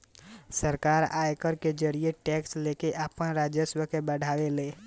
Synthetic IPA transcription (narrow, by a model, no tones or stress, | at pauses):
səɾkaːɾaːjkəɾked͡ʒəɾieʈɛːksleːkeʔapənɾaːd͡ʒjəswəkebəɽ̤ʱaːweleː